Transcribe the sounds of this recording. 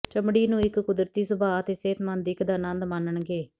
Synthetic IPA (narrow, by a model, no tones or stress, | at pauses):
t͡ʃəmɽiːnũːɪkkʊd̪ɾət̪iːsʊbaːt̪eːseːt̪mənd̪ɪkd̪aːnə̃nd̪mənəɳɡeː